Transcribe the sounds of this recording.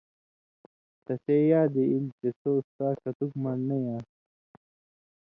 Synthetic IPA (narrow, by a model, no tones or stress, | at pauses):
t̪ɐsejaːd̪eilt̪esost̪aːkɐt̪ukmɐnnɐjãː